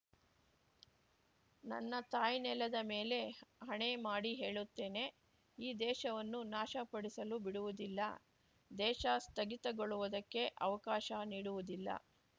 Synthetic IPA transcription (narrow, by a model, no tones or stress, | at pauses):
nɐ̰nːɐt̪aːjnɛled̪ɐme̞ːle̞ɦɐɳemaːɽiɦe̞ːɭut̪ːe̞ːne̞ | iːd̪ɛːʃɐʋɐnːunaːʃɐpɐɽisɐlubiɽuʋud̪ilːɐ̰ | d̪ɛːʃɐst̪ɐɡit̪ɐɡoɭuʋud̪ɐkːe̞ʔɐʋɐkaːʃɐniːɽuʋud̪ilːɐ̰